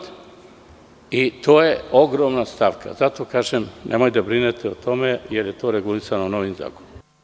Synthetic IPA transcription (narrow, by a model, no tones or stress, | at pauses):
it̪ʰoːje̞o̞ɡɾomnast̪aʋkʰa̰zat̪o̞kaːʒemnʔḛmojd̪abɾinet̪ʰɛot̪o̞mejeɾje̞t̪o̞ːɾeɡulisanono̞ʋimza̰ːkono